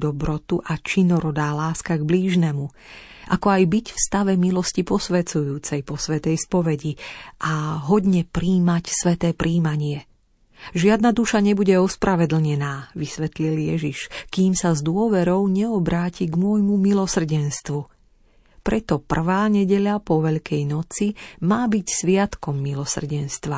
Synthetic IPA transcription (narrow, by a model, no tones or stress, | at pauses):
d̪ɔbɾɔt̪uʔat͡ʃinɔɾɔd̪aːlaːskaɡbliːʒnɛmu | ʔakɔajbicfst̪aʋɛmilɔscipɔsʋɛt͡sujuːt͡sɛjpɔsʋɛt̪ɛjspɔʋɛɟiʔaɦɔd̪ɲɛpɾiːmacsʋɛt̪ɛːpɾʔiːmaɲɪɛ | ʒɪad̪̚nad̪uʃaɲɛbuɟɛɔspɾʔaʋɛd̪l̩ɲɛnaːʋisʋɛt̪liljɛ̰ʒiʃkiːmsazd̪ʊɔʋɛɾɔʊɲɛɔbɾaːciɡmʊɔjmumilɔsr̩ɟɛnst̪ʋu | pɾʔɛt̪ɔpr̩ʋaːɲɛɟɛʎapɔʋɛʎkɛjnɔt͡simaːbicsʋɪat̪kɔmːilɔsr̩ɟɛnst̪ʋa